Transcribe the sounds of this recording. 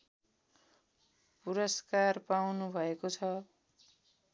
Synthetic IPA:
puɾʌskarpawnubʱʌekot͡sʰʌ

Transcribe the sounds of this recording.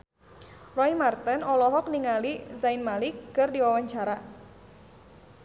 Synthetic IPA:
rɔimart̪ənɔlɔɦɔk̚niŋalizainmalikːɨrdiwawaɲt͡ʃaɾa

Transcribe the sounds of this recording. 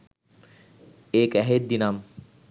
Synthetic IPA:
ekɛɦet̪̚d̪inam

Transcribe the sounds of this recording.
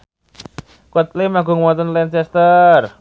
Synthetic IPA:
kɔt̪̚limaɡʊ̤ŋwɔt̪ənlɛnt͡ʃɛst̪ər

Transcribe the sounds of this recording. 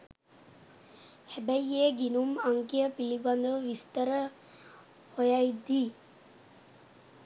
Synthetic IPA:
hæbæjːeːɡinumaŋkijəpiliband̪əʋəʋist̪əɾə | hojajd̪iː

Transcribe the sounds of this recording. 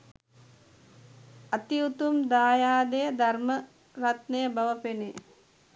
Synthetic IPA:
ɐt̪iut̪umd̪aːjaːd̪ejd̪ʱɐrmɐ | ɾɐt̪nejɐbɐʋɐpene

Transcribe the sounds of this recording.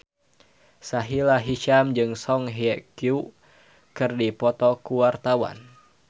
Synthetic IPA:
saɦilaɦiʃamd͡ʒɨŋsɔŋɦɛkju | kɨrdipɔt̪ɔkuwart̪awa̰n

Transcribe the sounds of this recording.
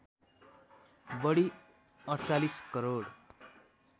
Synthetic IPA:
bʌɽi | ʌɾt͡saliskʌɾoɽ

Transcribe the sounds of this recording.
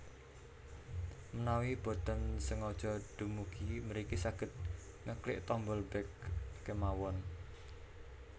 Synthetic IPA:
mənawib̥o̤t̪ənsəŋɔd̥ʒ̥ɔɖ̪̥umuɡ̥iməɾikisaɡ̥ə̤t̪̚ | ŋəklɪ̰ʔt̪ɔmbəlbɛkːemawɔn

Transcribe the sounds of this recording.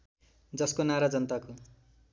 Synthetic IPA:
d͡zʌskonaɾad͡zʌnt̪ako

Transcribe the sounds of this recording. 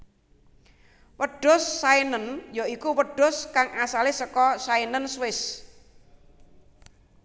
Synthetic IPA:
wəɖ̥ɔ̤sːainənjɔikuwəɖ̥ɔ̤skaŋasalɪsəkɔsainənswɪs

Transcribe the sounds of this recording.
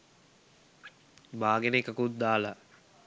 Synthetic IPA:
baːɡenekakut̪̚d̪aːla

